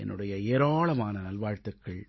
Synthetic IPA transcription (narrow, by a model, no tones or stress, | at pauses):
ʔɛ̰nːɯɽɐjɐeːɾaːɭɐmaːnɐnɐlʋaːɻt̪ɯkːɐɭ